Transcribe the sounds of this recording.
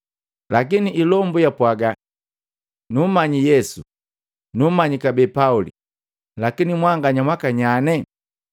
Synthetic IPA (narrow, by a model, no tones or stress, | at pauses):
lak̬iniʔilɔmbujapwaɡa | numaɲijɛsu | numaɲikabɛːpaulḭ | lakinimwaŋɡaɲamwakaɲanɛ